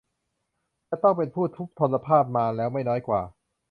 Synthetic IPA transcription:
t͡ɕa˨˩t̪ɔ˥˩ŋpe˧npʰuː˥˩t̪ʰu˦˥k̚t̪ʰo˧nːla˧pʰaː˥˩p̚maː˧lɛː˦˥wma˥˩jnɔː˦˥jkwaː˨˩

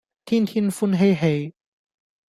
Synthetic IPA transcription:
t̪ʰiː˥nt̪ʰi˥nfu˧˥nɦe˧jɦe˧˥j

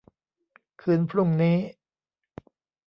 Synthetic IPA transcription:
kʰɯː˧˥npʰɾu˥˩ŋniː˦˥

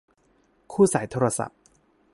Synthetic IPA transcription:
kʰuː˥˩saː˩˦jt̪ʰoː˧ɾa˧sa̰˨˩p̚

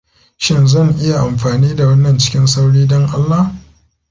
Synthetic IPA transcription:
ʃɪ˦nzɐ˦˨ŋʔɪ˦ja˨ʔa˨mɸaː˨niː˦da˨wɐ˦nːɐ˨nt͡ʃɪ̥˦kʲɪ˦nsa˦wɽiː˦dɔ˦ŋʔa˦lːa˦h

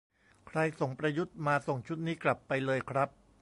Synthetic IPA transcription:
kʰɾa˧jso˨˩ŋpɾa˧ju˦˥t̪̚maː˧so˨˩ŋt͡ɕʰu˦˥t̪̚niː˦˥kla˨˩pːa˧jlɤː˧jkʰɾa˦˥p̚

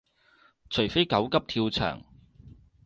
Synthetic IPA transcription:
t͡ʃʰɵ˨˩fe˥jkɐ˨˥wkɐ˥p̚t̪ʰiː˧wt͡sʰœ̰ː˨˩ŋ

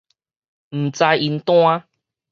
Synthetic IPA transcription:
m̩˨˩t͡sa˧ji˧nt̪w̃ã˦

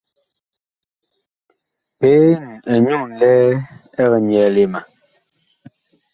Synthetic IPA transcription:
pe˦n˨ɛ˨ɲu˦˨n̩˨lɛː˦ | ɛ˦ɣɛ˨ɲjɛ˨le˨ma˨

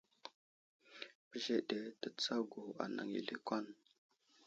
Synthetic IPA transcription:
pə˦ʒe˦de˨tə˦t͡sa˦ɡu˨a̰˨na̰˨ŋḭ˨li˦kʷa˦n

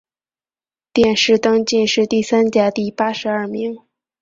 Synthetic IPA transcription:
t̪jɛ˥˧nʂɻ̩˥˩t̪ɤ˥ŋt͡ɕi˥˧nʂɻ̩˥˧t̪i˥˩sa˥nt͡ɕja˥t̪i˥˩pa˥ʂɻ̩˧˥ɐ˞˥˩mi˧˥ŋ

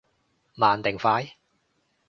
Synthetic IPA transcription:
maː˨˩nt̪ɪ˨ŋfaː˨˧˥j

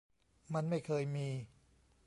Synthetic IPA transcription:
ma˧nma˥˩jkʰɤː˧jmiː˧

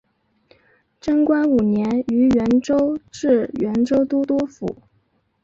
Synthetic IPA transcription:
ʈ͡ʂə˥ŋkwa˥nu˨˩njɛ˧˥ny˧˥ɥɛ˧˥nʈ͡ʂo˥ʊʈ͡ʂɻ̩˥˩ɥɛ˧˥nʈ͡ʂo˥ʊt̪u˥t̪wɔ˥fṵ˨˩˦

